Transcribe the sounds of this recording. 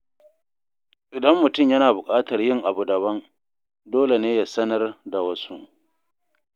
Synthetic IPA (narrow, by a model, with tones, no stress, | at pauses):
ʔɪ˨dɐ˦mːʊ˨tʊ˦˨mjɐ˦naː˨bʊ˨kʼaː˦tɐ˨rjɪ˦ŋʔa˨bu˨dɐ˨bɐ˦n | doː˦le˨neː˦ja˨sɐ˦nɐ˦rda˨wɐ˦su˦ʔ